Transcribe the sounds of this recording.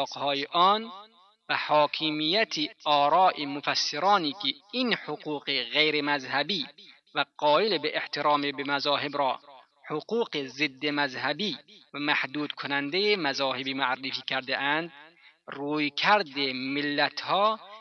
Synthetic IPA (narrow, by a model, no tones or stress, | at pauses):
qhɔːjeʔɔn | bæhɒːkʰimijːæt̪ʰiʔɒːɾɑːʔemofæsːeɾɑːniːkʰiinhoquːqeɣejɾemæzhæbiː | væqɔːjelebeʔeht̪ʰeɾɑːmebemæzɑːɦebɾɒː | hoquːqezed̪ːemæzhæbiːvæmæhd̪uːd̪kʰonænd̪ejemæzɑːhebiːmoarːefiːkʰæɾd̪eʔænd̪ruːjkʰæɾd̪emɪlːæt̪ʰhɒː